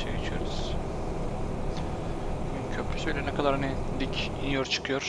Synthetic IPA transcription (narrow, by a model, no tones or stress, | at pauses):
ej̰ɡet͡ʃʰyjo̞̰ɾuz̥ | buɡʲyncʰøpɾy̥sybilʲɛnɛkʰad̪aɾani | d̪ic | injoɾt͡ʃʰɯ̥kʰɯjo̞ɾ̥